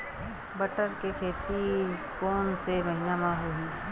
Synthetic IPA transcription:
bəʈəɾkekʰeːt̪ikoːnseməɦinamãɦoɦiː

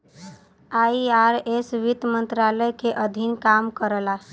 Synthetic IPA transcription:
aiaɾesʋit̪mənt̪ɾaləjkeʔəd̪ʱinkamkəɾla

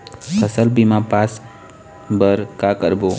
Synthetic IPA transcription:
kʰəsəlbimãpas | bəɾkakəɾbo

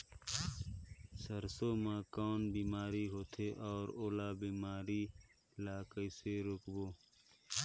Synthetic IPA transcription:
səɾsoːmãːkɔːnbiːmaːɾiɦoːt̪ʰeʔɔːɾoːlaːbiːmaːɾi | laːkəiseɾʊkboː

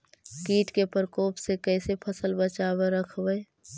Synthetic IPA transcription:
kiːʈkepəɾkoːpsekɛːsepʰəsəlbət͡ʃaːbeɾəkʰbəe

